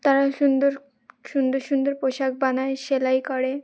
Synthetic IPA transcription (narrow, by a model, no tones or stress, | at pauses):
t̪aɾaʃund̪oɾ | ʃund̪oɾʃund̪oɾpoʃak̚banaeʃelajkɔɽe